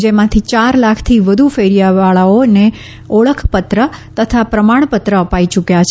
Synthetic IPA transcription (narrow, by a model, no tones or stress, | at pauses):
d͡ʒemãt̪ʰit͡ʃaɾlakʰt̪ʰiʋəd̪ʱufeɾijaʋaɭaone | ɔɭəkʰpət̪ɾət̪ət̪ʰapɾəmaɳ̃pət̪ɾəəpait͡ʃukjat͡ʃʰ